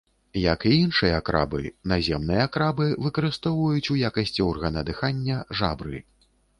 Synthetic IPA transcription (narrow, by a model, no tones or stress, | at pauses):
jɐkiinʂɨjɐakɾa̰bɨ̰nazʲɛmnɨjɐakɾabɨvɨkɐɾɨst̪ɔwvɐjut͡sʲujakɐsʲt͡sʲiɔrɣɐnɐd̪ɨxanʲːɐʐabɾɨ̰